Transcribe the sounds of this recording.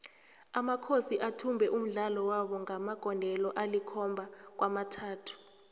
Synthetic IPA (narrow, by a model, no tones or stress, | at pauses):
amakʰosiʔatʰumbʱɛʔum̩ɮalɔwaɓɔŋamaɡ̥ʱɔndʱɛlɔʔalikʰɔmbʱak̬wʔamatʰaːtʰu̥